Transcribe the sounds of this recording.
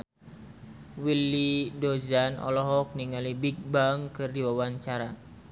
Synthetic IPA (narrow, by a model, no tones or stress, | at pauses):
wilidozanʔɔ̰lɔɦɔk̚niŋalibik̚baŋkɨrdiwawaɲt͡ʃaɾa